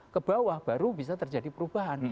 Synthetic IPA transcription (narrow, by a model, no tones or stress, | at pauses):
kəb̥awahb̥aɾubis̬at̪ərd͡ʒadipəɾub̥aɦan